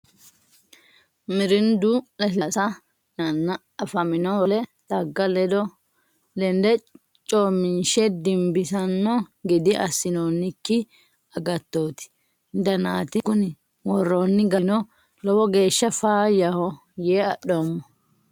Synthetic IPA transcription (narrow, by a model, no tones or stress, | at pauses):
mɪɾɪnd̪ulɛsɐsɐ | nɐnːɐ | ɐfɐmɪnɔwɔlɛd̪̥ɐɡːɐlɛd̪ɔ | lɛnd̪ɛ | t͡ʃʼoːmɪnʃɛd̪ɪmbɪsɐnːɔɡɪd̪ɪʔɐsːɪnoːnːɪkːɪ | ɐɡɐt̪ːoːt̪ɪ̥ | nd̪ɐnaːt̪ɪkʊnɪ | wɔrːoːnːɪɡɐnɔ | lɔwɔɡe̞ːʃːɐfaːjɐhɔ | jeːɐɗomːɔ